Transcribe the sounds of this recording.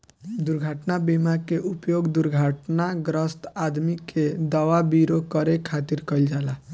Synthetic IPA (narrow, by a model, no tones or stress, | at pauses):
d̪uɾɡʱaʈnabimakeʔupjoɡd̪uɾɡʱaʈnaɡɾəst̪ad̪miked̪awabiɾokəɾekʰat̪iɾkəld͡ʒala